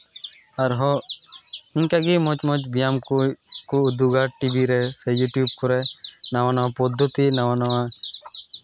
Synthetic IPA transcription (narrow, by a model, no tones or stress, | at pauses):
aɾɦɔ | iɲkaɡimɔt͡ʃmɔt͡ʃbijamkɔkɔud̪uɡaɾʈibiɾɛsɛjuʈjub̚kɔɾɛnawanawapɔd̪ʱːɔt̪inawanawa